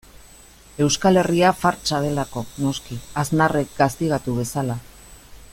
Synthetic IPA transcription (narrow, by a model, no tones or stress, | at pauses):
e̞wskale̞riafaɾt͡ʃað̞e̞lako̞no̞skiaznare̞k̚ɡast̪iɣ̞at̪uβe̞sala